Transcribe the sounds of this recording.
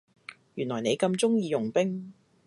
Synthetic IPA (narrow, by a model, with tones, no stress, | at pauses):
jyː˨˩nlɔː˨˩jne˨˧jkɐ˧mt͡sʊ˥ŋjiː˨˧jʊ˨˩ŋpɪ˥ŋ